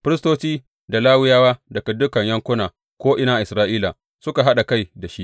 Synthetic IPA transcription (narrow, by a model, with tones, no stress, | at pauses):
ɸɪ˦ɾɪ˦stoː˦t͡ʃiː˦ | da˨laː˦wɪ˦jaː˦waː˦dɐ˨kɐ˨dʊ˦kɐ˨ɲjɐ˦ŋkʷʊ˦naː˨ | kʷoː˦ʔɪ˨naː˨ʔɪ˨sɾaː˦ʔiː˦la˨ | sʊ˦ka˨ɦa˦ɗa˨ka˦˨jda˨ʃi˦ʔ